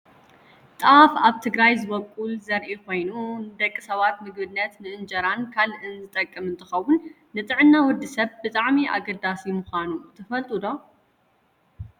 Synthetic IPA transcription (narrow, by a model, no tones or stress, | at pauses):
t̪ʼafaβt̪ʰɨɡɾajzɨβɐkʼulzɐɾʔikʰo̞jnund̪ɐkʼːisɐβat̪mɨɡ̚bɨnːɐt̪nɨʔɨnd͡ʒɐɾankʰalʔɨnzɨt̪ʼɐkʼːɨmɨnt̪ʰɨxɐwːʊnː | ɨt̪ʼɨʕɨnːawɔd̪ɨsɐβbɨt̪ʼaʕmiʔa̰ɡɐd̪asimʊxʷanut̪ʰɐfɐlt̪ʼud̪o̞